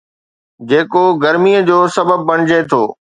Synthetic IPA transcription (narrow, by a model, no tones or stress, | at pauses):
d͡ʑeːkoɡɐɾmijəd͡ʑoːsɐbəb̚ːɐɽ̃ɪd͡ʑet̪ʰoː